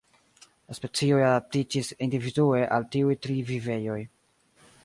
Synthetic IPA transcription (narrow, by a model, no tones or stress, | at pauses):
laspe̞t͡sio̞jadap̚tid͡ʒisindividue̞ʔaltiujtɾivive̞jo̞j